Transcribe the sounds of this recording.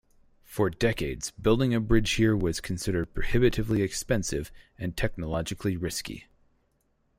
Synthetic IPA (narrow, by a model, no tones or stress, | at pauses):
fə˞dɛkeɪdz̥bɪlˠdɪ̃ŋɨbɹɪd̥ʒ̥hiɹwʌz̥kʰn̩sɪɾə˞d̚pʰɹ̥ɨhɪbɨɾɨvliɨkspɛ̃nsɪvɨ̃ntʰɛk̚nəlɑd͡ʒɨkʰliɹɪskḭ